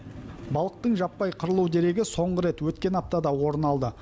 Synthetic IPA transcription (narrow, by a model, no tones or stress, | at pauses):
bɑlˠəq̚t̪əɴʒɑpːɑjqʰəɾəlˠuwd̪e̞ɾe̞ɡʲɪso̞ɴʁəɾe̞t̪wɵt̪kʲe̞nɑp̚t̪ɑd̪ɑwo̞ɾənɑlˠd̪ə